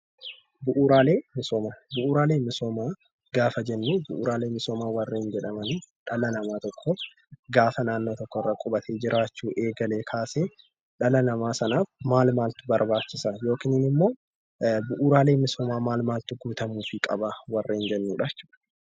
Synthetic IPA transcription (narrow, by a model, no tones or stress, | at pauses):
bʊʔuːɾaːle̞ːmɪsoːmabʊʔuːɾaːle̞ːmɪsoːmaː | ɡ̥aːfɐd͡ʒɛnːuːbʊʔṵːɾaːle̞ːmɪsoːmaːwɐrːeːnd͡ʒɛᶑɐmɐniᶑɐlɐnɐmaːt̪ɔkʰːoːf | ɡaːfɐnaːnːo̞ːt̪ɔkːɔɪrːɐkʼʊbɐt̪ʰeːd͡ʒɪɾʔaːt͡ʃːuːʔe̞ːɡɐle̞ːkʰaːseː | ᶑɐlɐnɐmaːsɐnaːfmaːlmaːlt̪ɪbɐɾbaːt͡ʃːɪsɐjo̞ːkiːnɪnɪmːo̞ː | bʊʔuːɾaːle̞ːmɪsoːmaːmaːlmaːlt̪ɪɡuːt̪ɐmuːfɪkʼɐbɐwɐrːeːnd͡ʒɛnːuːᶑɐt͡ʃːu̥ːᶑɐ̥